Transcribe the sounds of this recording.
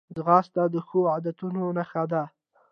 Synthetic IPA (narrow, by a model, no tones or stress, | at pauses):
zɣɑst̪ad̪əxoad̪at̪unonaxad̪a